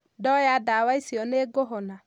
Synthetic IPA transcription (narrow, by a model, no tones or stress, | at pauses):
dɔjadawaisiɔneɡoɦɔna